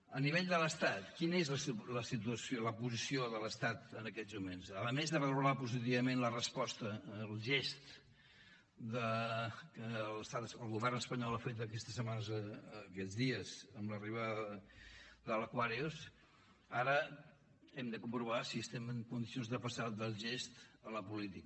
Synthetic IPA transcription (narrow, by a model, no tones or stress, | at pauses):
əniβeʎd̪ələst̪at̪kinəezləsiləsit̪uəsoləpuzisioðələst̪at̪ənəkɛzmumensələmezðəβəluɾapuzit̪̬iβəmenlərəspɔst̪əlˠʒest̪ | d̪əkələst̪at̪əsəlˠɣuβɛrnəspəɲɔlˠəfet̪̬əkɛst̪əsːəmanəzəkɛd͡zðiəzəmləriβ̞a | ðələkwaɾios | aɾə | ɛmd̪əkumpɾuβasiəst̪ɛməŋkund̪isionzðəpəsaðəlˠʒest̪ələpulit̪ik